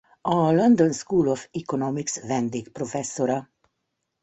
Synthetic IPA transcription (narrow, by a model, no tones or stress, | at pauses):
ɒlond̪o̞nskuːlofikonomiksʋɛnd̪eːkpro̞fɛsːo̞ɾɒ